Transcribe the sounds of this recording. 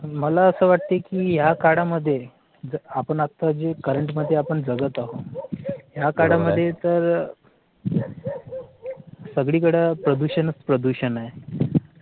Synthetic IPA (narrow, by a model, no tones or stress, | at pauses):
məlaəsəːʋaʈ̚t̪ekiːjakaɽaməd̪ʱːje | d͡zəapəɳakt̪ad͡ʑekəɾəɳʈməd̪ʱːjeapəɳd͡zəɡət̪aɦo | ɦjakaɽaməd̪ʱːjet̪əɾ | səɡɭiːk̬əɽəpɾəd̪uɕənəspɾəd̪uɕənaje